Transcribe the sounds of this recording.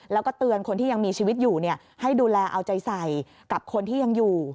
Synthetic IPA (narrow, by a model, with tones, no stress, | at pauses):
lɛː˦˥wkɔː˥˩t̪ɯ˧ənkʰo˧nt̪ʰiː˥˩ja˧ŋmiː˧t͡ɕʰiː˧wi˦˥t̪̚juː˨˩ni˥˩ɐ | ha˥˩jduː˧lɛː˧ʔa˧wt͡ɕa˧jsa˨˩j | ka˨˩p̚kʰo˧nt̪ʰiː˥˩ja˧ŋjuː˨˩